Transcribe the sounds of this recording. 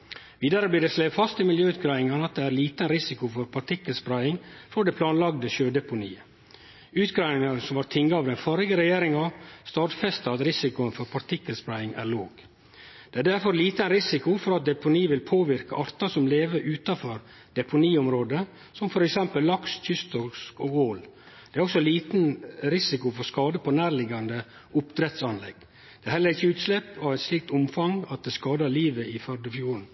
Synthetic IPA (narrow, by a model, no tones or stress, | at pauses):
ʋiːd̪ɑɾəbliːɖ̪ɛslɛːfɑst̪ɪmɪljøːʉːt̪ɡɾɑɪɪŋənəɑt̪̚d̪ɛæɾliːt̪əɛnɾɪsɪkʊfɔɾpʰɑɾʈ̪ʰɪkːəlspɾæɪɪŋfɔɖɛpʰlɑːnlɑɡd̪əʃøːd̪ɛpʊnḭːə | ʉːt̪ɡɾɑːɪŋɑnsɔmɑt̪ʰɪŋːɑɑːʋd̪ɛnfɔɾɪɡəɾɛjeːɾɪŋɑst̪ɑːʈfɛst̪ɑɑt̪ɾɪsɪkʊənfɔɾpʰɑt̪ɪkːəlspɾæɪɪŋæ̰ːɾɭoːɡ̥ | d̪̥ɛæːɖæɾfɔɾliːt̪əænɾɪsɪkʊfɔɾɑt̪̚d̪ɛpʊniːʋɪlpʰoːʋɪɾkɑʔɑɾt̪ɑsɔmleːʋəɾʔʉːt̪ɑfɔɾ | d̪̥ɛpʊniːʊmɾoːd̪ə | sɔmfɔɾɛksɛmpəlːɑksc͡çʏst̪ɔskɔːɡoːl | d̪̥ɛæɾɔksɔliːt̪nɾɪsɪkʊfɔɾskɑːd̪əpʰɔnæːɾlɪɡɑnd̪ə | ʊpd̪ɾɛt̪sɑnlɛɡ̥ | d̪̥ɛæɾhɛlːəɾɪçːəʉːt̪slɛpːɑʋæɪt̪sliːk̚t̪ʊmfɑŋɑt̪̚d̪ɛːskɑːd̪əɭiːʋəɪfœɾɖ̪əfjuːɾɳ̩